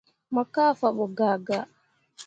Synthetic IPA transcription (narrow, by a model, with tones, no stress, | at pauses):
mɔ˨kaː˦fa˨ɓɔ˨ɡaː˨ɡa˦